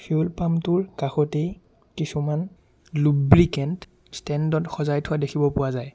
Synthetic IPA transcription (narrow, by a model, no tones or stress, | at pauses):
fʰiolpamtʊɹkaxɔtej | kisuman | lubɹikɛnt | stɛndɔtxɔzajtʰʊadekʰibɔpʊwazaj